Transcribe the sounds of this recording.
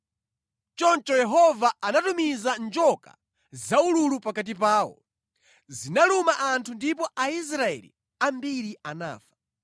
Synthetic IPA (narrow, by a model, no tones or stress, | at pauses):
t͡ʃɔnt͡ʃɔjɛɦɔvaanatumizand͡ʒɔka̰ | zaululupakat̬ipaːwɔ̰ | zinalumaʔantʰundipɔʔais̬ɾaɛ̰lḭ | ambiɾiana̰ːfḁ